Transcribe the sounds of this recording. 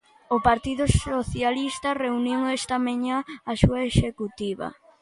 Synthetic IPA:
opaɾt̪iðʊsoθjalist̪ɐreuniwɛst̪ɐmaɲaːsuaeʃekut̪iβɐ̰

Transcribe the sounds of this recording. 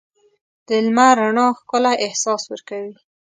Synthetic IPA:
d̪̥əlmaɾaɳɑxkəlaʔɪhsɑswəɾkawi

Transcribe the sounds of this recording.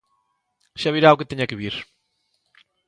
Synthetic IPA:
ʒ̥aβiɾaukɨt̪eɲɐkɨβiɾ

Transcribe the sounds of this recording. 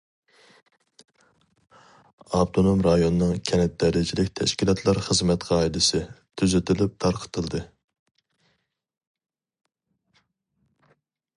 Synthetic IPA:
ɑbt̪ʰonomɾɑjonɨnɨŋkʲʰɛnɛt̪̚d̪ɛɾɪd͡ʒilɪkʲt̪ʰɛ̰ʃkʲilˠɑt̪ʰlˠɑɾχəzmɛt̪qʰɑid̪ɨsɨt̪ʰyzyt̪ɪlɪp̚t̪ʰɑɾqʰə̥t̪ʰɨlˠd̪ɨ

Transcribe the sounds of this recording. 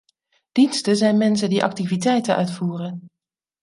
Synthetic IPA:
d̥instəzɛjnmɛnsəndiʔɑ̰k̚tivitɛjtənʔœ̰ɥtfuːrən

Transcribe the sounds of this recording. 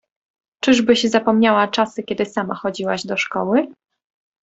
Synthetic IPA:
t͡ʂɘʐbɘɕzapɔmɲawat͡ʂasɘkʲɛd̪ɘsamaxɔd͡ʑiwaʑd̪ɔʂkɔwɘ

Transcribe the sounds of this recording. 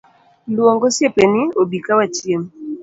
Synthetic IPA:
lwɔŋɡɔsepeniobikawatiem

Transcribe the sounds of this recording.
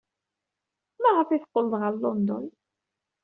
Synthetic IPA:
mæʁəfiθqːəld̪ˤʁəllːɔnd̪ɔ̰n

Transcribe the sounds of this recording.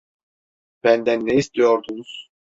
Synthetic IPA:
b̥ænd̪ænːeist̪ʰijoɾd̪unuz̥

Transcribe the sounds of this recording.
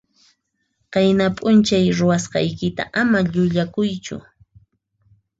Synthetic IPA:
qɑjnapʼʊnt͡ʃajɾʊwasqɑ̰jkɪt̪a̰ʔamaʎʊʎakʊjt͡ʃʊ̰

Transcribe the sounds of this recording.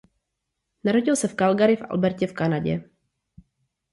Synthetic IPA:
naɾo̞ɟɪlsɛfkalɡaɾɪfʔa̰lbɛɾcɛfkanaɟɛ̰

